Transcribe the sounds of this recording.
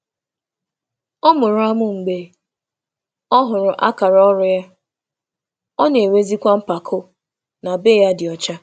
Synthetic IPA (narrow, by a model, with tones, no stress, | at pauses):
ɔ˦mʊ˨ɾʊ˦a˦mʊ˦ŋ͡m̩˨ɡ͡be˨ | ɔ˦ɦʊ˨ɾʊ˨ʔa̰˦ka˨ɾɔ˦ɾʊ˨ja˦ | ɔ˦ne˨we˦zi˦kʷa˦m̩˦pa˨kʰʊ˦ | na˨be˦ja˦dɪ˨ɔ˨t͡ʃa˦